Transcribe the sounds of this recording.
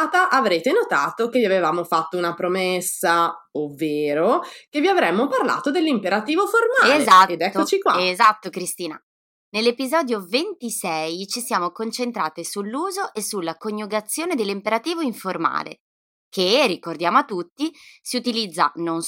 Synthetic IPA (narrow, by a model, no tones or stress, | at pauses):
t̪aʔavɾeːt̪enot̪aːt̪okeviavevaːmofat̪ːounapɾomesːa | ovːeːɾokevːiavɾɛmːoparla̰ːt̪od̪elːimpeɾat̪iːvoformalezat̪ed̪ɛk̪ːot͡ʃikwaezat̪ːokɾist̪iːna̰ | nelːepizɔːd̪jovent̪isɛjt͡ʃisjaːmokont͡ʃent̪ɾaːt̪esulːuːzoʔesːulːakoɲjuɡat̪sːjoːned̪elːimpeɾat̪iːvoiɱforma̰ːlḛ | kʰerːikord̪jaːmoat̪ːut̪ːisiut̪ilid̪zːa̰non